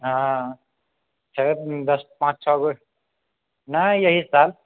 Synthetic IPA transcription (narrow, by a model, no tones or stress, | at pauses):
ɦã | t͡ʃʰed̪ʌspãt͡ʃt͡ʃʰʌbə | najʌɦisal